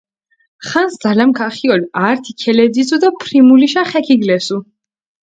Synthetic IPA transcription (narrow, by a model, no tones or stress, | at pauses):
χansd̪z̥alamkʰaχiɔlaɾt̪ʰikʰɛlɛd̪isʰud̪apʰɾimuliʃaχɛkʰiɡlɛsu